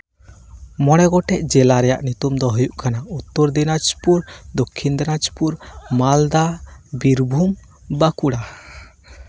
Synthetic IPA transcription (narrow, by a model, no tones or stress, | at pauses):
mɔɽ̃ɛɡɔʈɛc̚d͡ʒɛlaɾɛja̰ʔnut̪umd̪ɔɦujuʔkanaut̪ːɔɾd̪inad͡ʒpuɾd̪ɔkʰːind̪ɛnad͡ʒpuɾmald̪abiɾbʱum | bakuɽa